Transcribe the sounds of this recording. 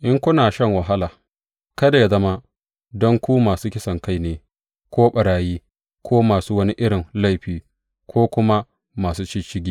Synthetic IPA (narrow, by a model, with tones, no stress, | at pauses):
ʔɪ˦ŋkʷʊ˦naː˨ʃɐ˦ŋwɐ˨ɦa˦laː˨ | kɐ˦da˨ja˦zɐ˦ma˦ | dɔ˦ŋkʷuː˦maː˨suː˦kʲɪ˦sɐ˨ŋka˦jneː˨ | kʷoː˦ɓɐ˨ɽaː˨jiː˦ | kʷʰoː˦maː˨suː˦wɐ˦ni˦ʔɪ˦ɽɪ˨nla˦˨jɸiː˨ | kʷʰoː˦kʷʊ˦ma˦ | maː˨suː˦t͡ʃɪ˦t͡ʃɪ˦ɡʲiː˦